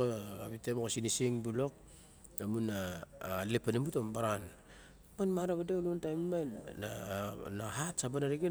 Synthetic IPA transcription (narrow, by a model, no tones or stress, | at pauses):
oaβitemokosinisiŋbulo̞k̚ | amunalepanimbutombaɾan | manmaɾaβadeluntajmmajanaɦatsabanaɾiɡe